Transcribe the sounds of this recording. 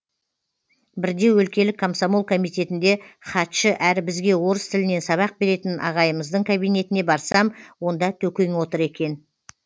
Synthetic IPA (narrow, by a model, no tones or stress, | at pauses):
bɪɾd̪e̞wɵlkʲe̞lɪkʰːomsomolˠkʰo̞mijt̪ʲe̞t̪ɪnd̪e̞χɑt̪ʃəʔæɾɪbɪzɡʲe̞wo̞ɾəst̪ʰɪlɪne̞nsɑβɑq̚be̞ɾe̞t̪ɪnʔɑ̰ʁɑjəməzd̪əɴkʰabijne̞t̪ɪne̞bɑɾsɑmwo̞nd̪ɑt̪ʰɵkʲe̞ŋwo̞t̪əɾe̞kʲe̞n